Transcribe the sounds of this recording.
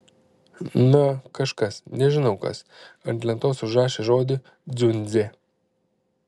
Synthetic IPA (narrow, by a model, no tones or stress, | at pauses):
nʊkɐʃkɐsnʲɛʒʲɪnɐʊkɐ̰s | ɐnt̪ʲlʲɛnt̪oːsʲʊʒɑːʃʲɪʒoːd̪ʲɪ | zʲʊnʲzʲe